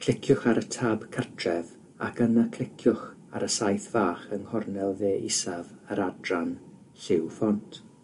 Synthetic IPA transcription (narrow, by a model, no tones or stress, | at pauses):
kʰl̥ɪkʰjʊχaɾətʰaːbkʰərtʰrɛv | a̰kənəkʰlˠɪkʰjʊχ | a̰ɾəsajθv̥aːχənhɔrnɛlˠveːʔɪsavəɾadran | ɬɪwfɔntʰ